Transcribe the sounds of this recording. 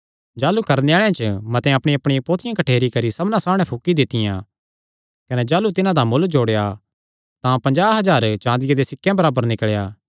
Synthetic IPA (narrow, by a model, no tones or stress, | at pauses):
d͡ʒaːlukɐɾneaːɭejãt͡ʃəmɐt̪ɛ̃ɐpɽ̃ijɐpɽɪjãpoːt̪ʰɪjãkɐʈʰeːɾikɐɾisɐbnãsaːmɽ̃ɛ̃pʰʊkːid̪ɪt̪ɪjã̰ː | kɐnɛd͡ʒaːlut̪ɪnãd̪amʊld͡ʒoːɽeja | t̪ãpɐ̃ɲd͡ʒaːɦɐzaːɾt͡ʃãːnd̪ɪjad̪esɪkʰːjãbɐɾaːbəɾnɪkɭejaː